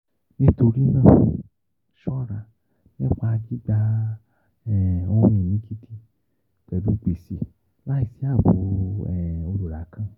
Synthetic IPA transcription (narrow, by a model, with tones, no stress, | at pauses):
nĩ˦t̪o˧ɾi˦nãː˦˨ | ʃɔ˦ɾa˨ | n˦ɛ̃˦˨k͡pa˨a˧ɡi˦ɡ͡ba˦ | ɛ˨õ˦jɛ˨mĩ˨˦ki˦tʰi˦ | k͡pɛ˨du˦ɡ͡be˨si˨ | la˦i˨si˨˦a˦˨bo˨˦ɛ˨o˧lo˨ɾa˨˦kʰã˦˨